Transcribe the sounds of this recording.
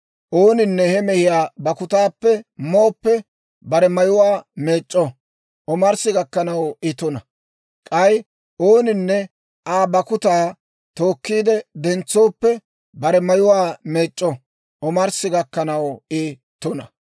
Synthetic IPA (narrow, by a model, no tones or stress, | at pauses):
ʔo̞ːnɪnːɛhɛmɛhɪjaːbɐkʊt̪aːpːɛmoːpːɛ | bɐɾɛmɐjʊwaːme̞ːt͡ʃʼːɔ | ʔɔmɐɾsɪɡɐkːɐnɐwɪt̪ɔnɐ | kʼɐj | ʔo̞ːnɪnːɛ | ʔaːbɐkʊt̪aː | t̪o̞ːkːiːd̪ɛd̪ɛnt͡sːoːpːɛ | bɐɾɛmɐjʊwaːme̞ːt͡ʃʼːɔ | ɔmɐɾsɪɡɐkːɐnɐwɪ | t̪ːɔnɐ